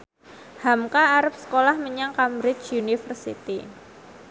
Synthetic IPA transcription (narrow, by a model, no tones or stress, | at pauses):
hamkaːɾəp̚sə̥kolahməɲaŋkamɾɪt͡ʃunifərsḭt̪ḭ